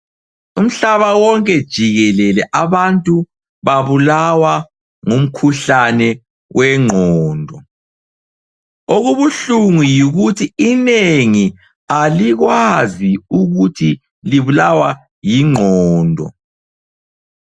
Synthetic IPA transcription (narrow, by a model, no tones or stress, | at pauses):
um̩ɬaβawɔŋkʼɛd̥ʒ̥ʱiɣɛlɛlɛʔaβantʼu | βaβulawa | ŋum̩kʰuɬanɛ | wʔɛŋ͡ǃʱɔːndʱɔ | oɣuβuɬuŋujiɣutʰiineŋi | aliɣwaziuɣutʰi | liβulawa | jiŋ͡ǃʱɔːndʱɔ̰